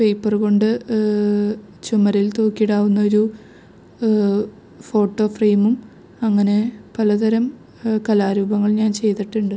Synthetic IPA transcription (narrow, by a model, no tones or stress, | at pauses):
pe̞jpːɐrko̞ɳɖɨ | t͡ɕumɐɾilt̪o̞ːkːijiɽaːʋunːɐo̞ɾu | fo̞ːʈːo̞ːfrejmum | ɐŋːɐne̞pɐlɐðɐɾɐm | kɐlaːɾuːbɐŋːɐɭɲaːnt͡ɕe̞jt̪iʈːuɳɖɨ